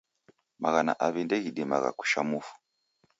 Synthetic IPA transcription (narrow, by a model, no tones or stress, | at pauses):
maɣana̰ʔaβindɛɣiɗima̰ɣa̰ku̥ʃamufu̥